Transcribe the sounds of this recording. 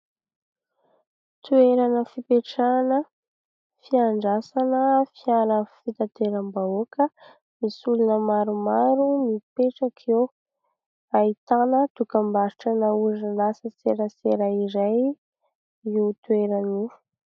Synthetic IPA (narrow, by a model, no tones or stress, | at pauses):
t̪ueɾanəfipeʈ͡ʂanə | fiaɳɖ͡ʐasanəfialəfit̪at̪eɾəmbaokə | misulunəmaɾumaɾumipeʈ͡ʂakʰew | ait̪anət̪ukambaɾiʈ͡ʂənauzalasət͡seɾəseɾaiɾaj | iut̪weɾani̥